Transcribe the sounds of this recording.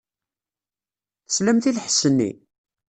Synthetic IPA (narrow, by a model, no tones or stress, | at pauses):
θə̥slæmθilħsənːḭ